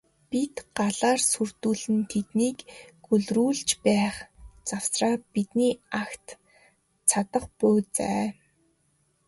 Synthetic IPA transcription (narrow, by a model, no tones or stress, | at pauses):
pit̪ɢaɮaːrsurt̪uːɮɘ̆nt̪ʰet̪niːkɡɵɮruːɮt͡ɕpæːχt͡sawsraːpit̪niːakt̪ | t͡sʰat̪ə̆χpʊːt͡sæ̰ː